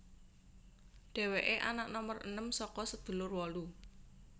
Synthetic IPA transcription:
ɖ̪̥ɛ̤weʔeʔanaʔnɔmərə̰nəmsɔkɔsəd̪̥ṳlʊrwɔlu

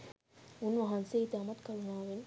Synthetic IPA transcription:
unʋɐɦɐnseːt̪eɐmɐt̪kɐɾunaːʋin

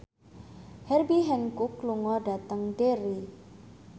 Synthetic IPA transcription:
hɛrbiɦɛŋkukluŋɔɖat̪əŋɖeɾi

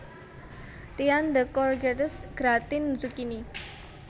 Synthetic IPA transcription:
t̪iand̪əkɔrɡɛt̪əsɡ̥ɾat̪ɪnzukini

